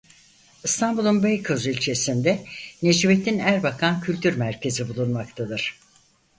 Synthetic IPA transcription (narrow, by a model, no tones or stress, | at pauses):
ɯst̪ʰanbulˠunbejkʰozylʲt͡ʃʰe̞sind̪ɛned͡ʒiβe̞t̪ʰinæɾbakʰancʰylʲt̪ʰyɾmæɾcʰe̞zibulˠunmak̚t̪ʰad̪ɯɾ̥